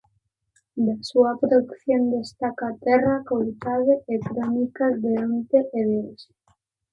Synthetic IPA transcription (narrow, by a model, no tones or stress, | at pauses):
d̪asuapɾoðukθjond̪est̪akaːt̪ɛrakolt̪aðeekɾonikad̪eont̪eʔeðes